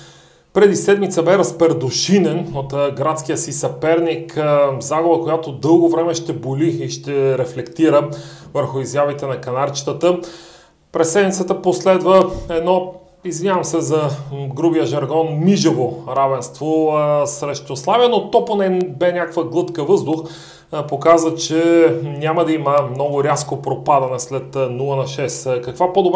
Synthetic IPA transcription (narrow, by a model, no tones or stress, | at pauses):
pɾɛd̪isɛd̪mit̪səbɛɾɐspɛɾd̪oʃinɛnot̪ɡɾat̪skijəsisɐpɛɾnikzaɡobəkojat̪od̪ɤlˠɡovɾɛmɛʃt̪ɛboliiʃt̪ɛɾɛflɛkt̪iɾə | vəɾxʊizjavit̪ɛnɐkɐnaɾt͡ʃi̥t̪ət̪ə | pɾɛsɛd̪nmʲit̪sət̪əposlɛd̪vəɛd̪nɔ | izvinʲavɐmsɛzɐɡɾubijəʒɐɾɡɔnmiʒəvoɾavɛnst̪vosɾɛʃt̪oslˠavijənot̪ɔponɛbɛnʲakvəɡlˠɤt̪kəvɤzd̪ʊx | pokazvət͡ʃɛnʲaməd̪ɐiməmnɔɡʊɾʲaskopɾopad̪ɐnɛslɛt̪nulˠənɐʃɛskɐkvapod̪ob